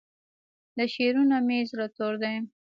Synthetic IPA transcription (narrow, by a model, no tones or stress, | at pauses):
d̪əʃeɾunamezɾat̪oɾd̪e